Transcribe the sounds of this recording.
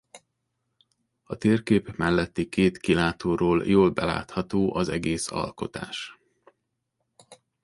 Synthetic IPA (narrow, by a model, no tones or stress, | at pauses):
ɒt̪eːrkeːpmɛlːɛt̪ːikeːt̪kilaːt̪oːroːljoːlbɛla̰ːt̪hɒt̪oːʔɒzɛɡeːsɒ̰lko̞t̪a̰ːʃ